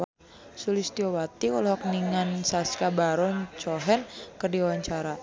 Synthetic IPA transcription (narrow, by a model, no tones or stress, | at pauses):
sulist̪iɔwat̪iulɔɦɔk̚niŋansaskabaɾɔɲt͡ʃɔɦɛnkərdiwaɲt͡ʃaɾa